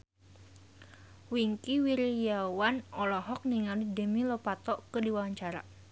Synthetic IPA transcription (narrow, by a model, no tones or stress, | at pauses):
wiŋkiwiɾijawanɔlɔɦɔk̚niŋalidəmilɔpat̪ɔkədiwawaɲt͡ʃaɾa̰